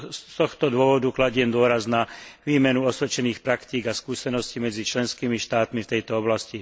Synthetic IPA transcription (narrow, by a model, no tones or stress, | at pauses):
t̪ɔxt̪ɔd̪ʊɔʋɔd̪uklaɟɪɛmd̪ʊɔɾaznaʋiːmɛnuɔsʋɛt͡ʃɛniːxpɾakt̪iːɡaskuːsɛnɔscimɛd͡zit͡ʃlɛnskiːmiʃt̪aːt̪mift̪ɛjt̪ɔɔblasci